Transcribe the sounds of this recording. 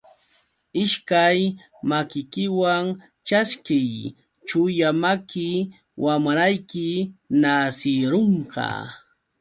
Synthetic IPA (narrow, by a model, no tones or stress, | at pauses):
ɪʃkaj | makɪkɪwaŋ | t͡ʃaskɪj | t͡ʃʊjamakɪ | wʔamɾajkɪnasɪɾoɴqɑ̰